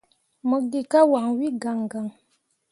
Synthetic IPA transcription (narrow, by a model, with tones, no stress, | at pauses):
mə˨ɡi˨ka˦wa˨ŋwi˦ɡa˨ŋɡa˨ŋ